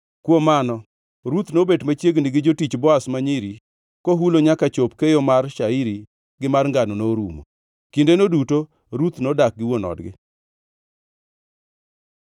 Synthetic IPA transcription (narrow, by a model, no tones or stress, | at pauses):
kwomanɔ | ɾut̪nobedmat͡ʃjeɡnɪɡɪd͡ʒotit͡ʃbɔasmaɲiɾi | koɦuloɲakat͡ʃopkejomarʃaiɾi | ɡɪmarŋɡanonoɾumo̰ | kindenoduto | ɾut̪nodak̚ɡɪwonɔ̰dɡɪ̰